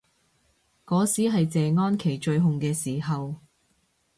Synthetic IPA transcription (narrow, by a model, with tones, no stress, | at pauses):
kɔː˨˧˥siː˨˥ɦɐ˨jt͡sɛː˨ŋɔː˥nkʰe˨˩jt͡ʃɵ˧ɥɦʊ˨ŋkɛː˧siː˨˩ɦɐ˨w